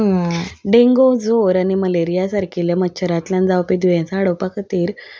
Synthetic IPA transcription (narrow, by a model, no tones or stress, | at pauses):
ɖẽŋɡod͡zoɾaɽ̃iməleɾijasaɾkʰiljamətːɕʰəɾãt̪ljãnd͡zaʋpid̪uʋɛ̃saːɽowpakət̪iːɾ